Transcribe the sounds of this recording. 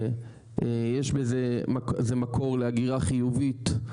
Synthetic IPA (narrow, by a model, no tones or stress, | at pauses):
e | ejeʃbezemakezemakʰo̞ʁleaɡiʁaχijuvit̪